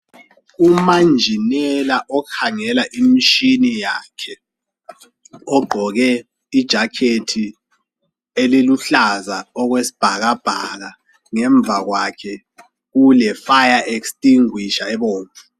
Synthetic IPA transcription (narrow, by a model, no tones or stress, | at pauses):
umand͡ʒʱinɛlaʔɔkʰaŋɛlaʔimiʃinijakʰɛ | ɔɡ͡ǃʱɔɣɛ | id̥ʒ̥ʱakʰetʰi | eliluɬazaɔɣwesi̥b̥ʱaɣab̥ʱaɣa | ŋɛɱb̪vʱaɣwakʰɛ | ulɛfajaʔekstʼiŋwiʃaɛβoːɱvʰu̥